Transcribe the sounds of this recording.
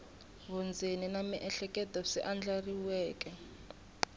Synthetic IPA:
βɔnd͡zʱeninamiʔɛɬɛkʼɛdɔsɛʔand͡ɮariwɛːkɛ

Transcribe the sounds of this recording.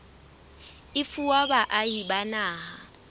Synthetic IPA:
ɪfuwabaʔajibanaːɦa

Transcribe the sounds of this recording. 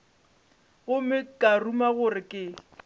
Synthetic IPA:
ɣʊmɪkʼarumaɣʊrɪkʼɪ

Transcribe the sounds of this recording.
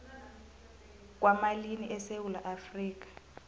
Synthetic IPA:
k̬wamaliniʔɛsewulaʔafriːk̬ḁ

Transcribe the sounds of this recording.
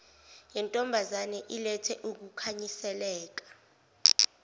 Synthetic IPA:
jɛntʼɔmbʱazanɛʔilɛtʰɛʔuk̬ukʰaɲisɛlɛːk̬ḁ

